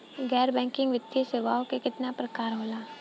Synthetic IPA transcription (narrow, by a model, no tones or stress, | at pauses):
ɡɛːɾbɛ̃ːŋkɪ̃ŋɡʋɪt̪ːiseʋaːokekɪt̪napɾɐkaːɾɦoːlaː